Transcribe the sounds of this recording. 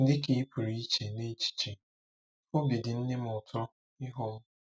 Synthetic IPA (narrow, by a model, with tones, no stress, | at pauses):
n̩˦dɪ˦ki˨˦pu˨ɾi˦i˦t͡ʃe˨ne˦t͡ʃi̥˨t͡ʃe˨ | o˦bi˨dɪ˨n̩˦nɪ˦mʊ˨tʰɔ˦ | ɪ˦ɦɔ˦